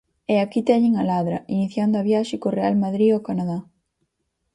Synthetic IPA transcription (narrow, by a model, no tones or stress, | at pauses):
eakit̪ɛɲɪŋalaðɾɐiniθjand̪oaβjaʃɪkorealmaðɾiokanaða